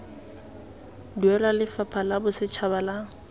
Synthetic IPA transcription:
duɛlalɪfapʰalabʊsɪt͡ʃʰabalaŋ̩

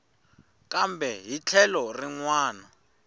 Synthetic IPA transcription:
kʼambʱɛɦit͡ɬʰɛlɔriŋwaːna

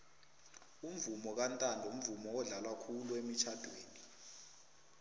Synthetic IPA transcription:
um̩vumɔk̬antʼandʱum̩vumɔwɔɮalwakʰuluemit͡ʃʰad̥ʱwḛːni

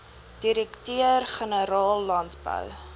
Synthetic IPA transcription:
d̥iɾɛktøərχənəɾɑːlːɐntbə̰w

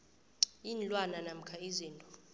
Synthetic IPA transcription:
inlʼwananam̩kʰaiziːntʼɔ̥

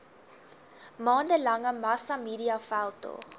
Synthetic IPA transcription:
mɑːndəlɐŋəmɐsɐmiːɾiɐfælˠtɔ̰χ

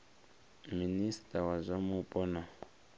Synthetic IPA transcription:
ministʼawazʷamupʼɔna

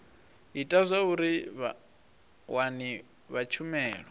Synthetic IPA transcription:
itʼazʷauɾiβ | wani | βat͡ʃʰumɛːɺɔ

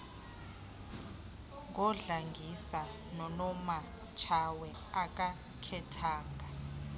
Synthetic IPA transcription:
ŋɡɔɮaŋɡʱisa | nɔnɔma | t͡ʃʰawɛ | akʼa | kʰɛtʰaːŋɡʱa

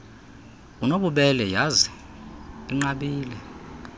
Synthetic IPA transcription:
unoɓuɓɛlɛjazɛ | iŋ͡ǃaɓiːlɛ

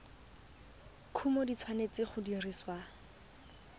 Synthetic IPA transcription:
kʰumɔdit͡sʰwanet͡sɪχʊdiriswa

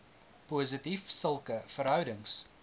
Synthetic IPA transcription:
puːzətifsəlˠkəfəɾɦœwdəŋs

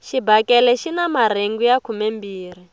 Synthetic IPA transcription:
ʃibakɛlɛʃinamaɾ̤eŋɡujakʰumɛmbiːr̤i

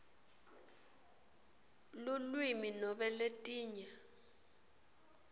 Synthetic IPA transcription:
lulwiminɔɓɛletʼiːɲa

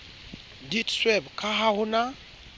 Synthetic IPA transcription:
ditswɛbkʰaɦahuna

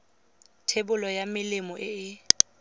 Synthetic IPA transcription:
tʰebʊlɔjamɪlɪmɔʔɪɪ

